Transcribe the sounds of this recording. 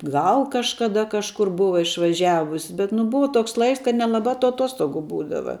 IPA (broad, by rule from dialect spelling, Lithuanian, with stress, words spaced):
ˈɡɐlˠ kɐʃkɐˈdɐ kɐʃˈkʊr ˈbʊʋɐ ɪʃʋɐˈʒʲæːʋʊs bʲɛt nʊ ˈbʊʋɐ ˈtoːks ˈlˠɐɪks kɐt nʲɛlˠɐˈbɑː tʊ ɐˈtoːstoːɡʊ ˈbuːdɐʋɐ